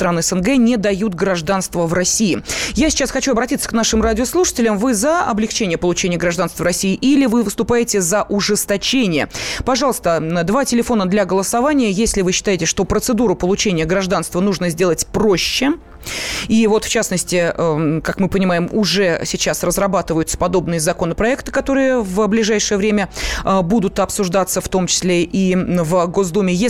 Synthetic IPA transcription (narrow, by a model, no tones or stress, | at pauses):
t̪ɾanɨɛsənɡɛnʲɪd̪ɐjut̪ɡɾɐʐd̪anst̪vəvrɐsʲijɪjasʲɪ̥t͡ɕasxɐt͡ɕuɐbɾɐtʲit̪sə̥kn̪aʂɨmradʲɪoslˠuʂə̥tʲɪlʲɪmvɨzəɐ̰blʲɪkt͡ɕenʲɪjəpəlˠʊt͡ɕenʲɪjəɡɾɐʐd̪anst̪vəvɾɐsʲiɪʔilʲɪvɨvɨst̪ʊpajɪtʲɪzəʔʊʐɨst̪ɐt͡ɕenʲɪjə̰pɐʐɑlˠəst̪əd̪vatʲɪlʲɪfo̞nəd̪lʲaɡəlˠəsavanʲɪjəjesʲlʲɪvɨɕːɪ̥t̪ajɪtʲɪʂt̪o̞pɾət̪sɨd̪uɾʊpəlˠʊt͡ɕenʲɪjəɡɾɐʐd̪anst̪vənuʐnəzʲdʲelˠətʲproɕːɪ | ivo̞t̪ft͡ɕasnəsʲtʲɪəkakmɨpənʲɪmajɪmʊʐɛsʲɪt͡ɕasrəzrɐbat̪ɨvəjʊt̪sə̥pɐd̪o̞bnɨjəzɐko̞nəpɾɐɛkt̪ɨ̥kɐt̪o̞ɾɨjəvblʲɪʐajʂɨjəvɾʲemʲəbud̪ʊt̪ɐpsʊʐd̪at̪səft̪o̞mt͡ɕɪ̥sʲlʲeʔivɡo̞zd̪umʲɪje